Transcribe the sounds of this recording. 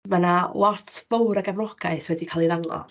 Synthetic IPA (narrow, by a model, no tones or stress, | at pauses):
manalˠɔtʰvowɾaɡavlˠɔɡaɨswɛdikʰaːlˠiðawnˠɔ̰